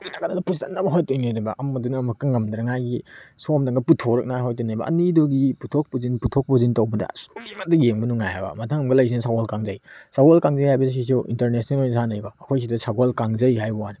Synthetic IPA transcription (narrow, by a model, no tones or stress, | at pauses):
inakanadɐpustanːɐbɐɦojtojnadɐbɐʔɐmɐdunːmɐkaŋɐmdɾɐŋajɡisomdaŋɡɐputʰoɾɐk̚naɦojtɔjnajbɐ̰ɐ̰niduɡiputʰok̚puzinputʰɔk̚puzintawbɐdɐ̰sulimɐt̚dɐjeŋbɐnuŋajabɐ̰mɐtʰaŋɐmɡɐlajs̬inɐsaɡɔlkaŋzɐjsaɡolkaŋzɐjhajbɐss̬isuʔḭntɐɾnesnalojnsanajɡɔɐkʰojs̬idɐsaɡolkaŋzɐjhajbɐwan